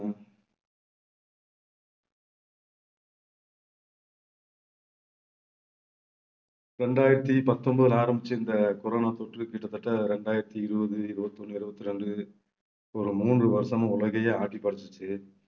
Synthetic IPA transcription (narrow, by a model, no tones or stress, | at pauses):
ɾɛɳɖaːjɪɾɐt̪ːipɐt̪ːɔmbɐðɐɪlaːɾɐmbɪt͡ʃːɯɪnd̪ɐkɔɾoːnaːt̪oʈrɯkiːʈːɐt̪ːɐʈːɐɾɛɳɖaːjɪɾɐt̪ːiɪɾɯbɐðɯɪɾɯbɐt̪ːɔnːɯɪɾɯbɐt̪ːiɾɛɳɖɯ | ɔɾɯmuːndrɯʋɐɾɐsɐmɐ̃ʊɭɐɣɐjɐaːʈːipɐɽɐt̪ːɯt͡ʃːɯ